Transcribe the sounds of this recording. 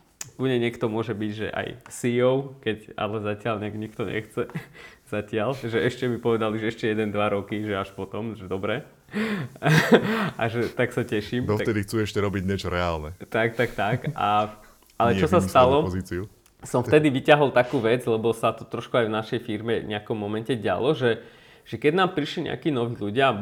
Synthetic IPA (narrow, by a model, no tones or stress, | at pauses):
kuɲɛɲɪɛkt̪ɔmʊɔʒɛbiɟʒɛ̰ʔa̰jsijɔʊkɛca̰lɛzacɪalɲɪaɡɲikt̪ɔɲɛ̰xt͡sɛz̥acɪalʒɛɛʃcɛmipɔʋɛd̪aliʒɛɛʃcɛjɛd̪ɛnd̪ʋaɾɔkiʒɛaʃpɔt̪ɔmʒɛd̪ɔbɾɛ | aʒɛt̪aksacɛʃiːmd̪ɔft̪ɛd̪ixt͡suːɛʃcɛɾɔbiɟɲɛt͡ʃɔɾɛaːlnɛt̪ak̚t̪akt̪aka̰ | alɛt͡ʃɔsastt̪alɔpɔziːt͡siu | sɔmft̪ɛd̪iʋicaɦɔlˠt̪akuːʋɛd͡zlɛbɔsat̪ɔt̪ɾɔʃkuajvnaʃɛjfiɾmɛɲʔɛakɔmːɔmɛncɛɟa̰lɔʒɛ | ʒ̥ɛkɛɟnaːmpɾiʃliɲɛ̰a̰kiːnɔʋiːluɟɪa